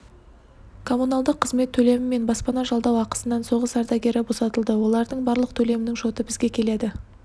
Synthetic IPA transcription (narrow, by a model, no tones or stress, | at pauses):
kʰo̞munɑlˠd̪əqʰːəzme̞t̪ʰːɵle̞mɪme̞nbɑspɑnɑʒɑlˠd̪ɑwɑqə̥sənɑnso̞ʁəsɑɾd̪ɑɡʲe̞ɾɪbo̞sɑt̪əlˠd̪əwo̞lˠɑɾd̪əɴbɑɾlˠəq̚t̪ʰɵle̞mɪnɪŋʒo̞t̪əbɪzɡʲe̞kʲʰe̞le̞d̪ɪ